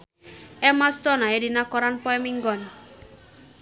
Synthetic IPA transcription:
ɛmast̪ɔnaeɾinakɔɾanpɔemiŋɡɔn

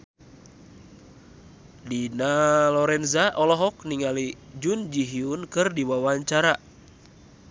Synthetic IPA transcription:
dinalɔɾɛnzaʔɔlɔɦɔkniŋalid͡ʒund͡ʒiɦiunkɨrdiwawaɲt͡ʃaɾa

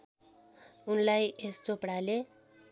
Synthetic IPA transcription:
unlajest͡sopɽale

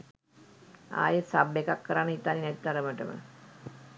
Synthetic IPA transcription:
a̰ːjəsabekakːəɾanːəɦit̪ːaːninɛt̪it̪aɾəməʈəmə̰

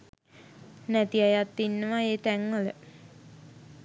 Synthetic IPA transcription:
næt̪iajat̪ːinːəʋaeːʈæŋʋələ̰

